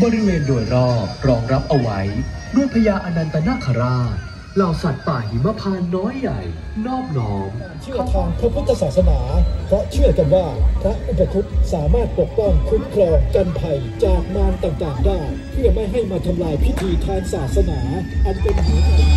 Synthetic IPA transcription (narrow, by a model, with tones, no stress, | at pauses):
bɔː˧ɾi˦˥weː˧ndoː˧jɾɔː˥˩p̚ɾɔː˧ŋɾa˦˥p̚ʔa˧wa˦˥j | du˧˩əjpʰa˧jaː˧ʔa˧na˧nt̪a˧na˥˩kʰa˧ɾaː˥˩ | laː˨˩wsa˨˩t̪̚paː˨˩khi˨˩˦ma˦˧pʰaː˧nːɔː˦˥jːa̰˨˩j | nɔː˥˩p̚nɔː˦˥ŋaː˧nt͡ɕʰɯ˥˩ɐt̪ʰaː˧ŋpʰɾa˦˥pʰu˦˥t̪ːa˧saː˨˩t̪̚sa˧naː˩˦pʰɾɔ˦˥t͡ɕʰɯ˥˩ɐka˧nwaː˥˩pʰɾa˦˥ʔʔe˧˩pa˧t̪ʰu˦˥t̪̚saː˩˦maː˥˩t̪̚po˨˩k̚pɔ˥˩ŋkʰu˦˥nkʰlɔː˧ŋka˧npʰa˨˩jt͡ɕaː˨˩k̚maː˧ŋt̪aː˨˩ŋt̪aː˨˩ŋdaː˥˩jpʰɯ˥˩ɐma˥˩jɦa˥˩jmaː˧t̪ʰa˧mlaː˧jpʰuː˥t̪ʰiː˧t̪ʰaː˧ŋsaː˨˩t̪̚sa˧naː˩˦ʔa˧npe˧npʰiː˧˩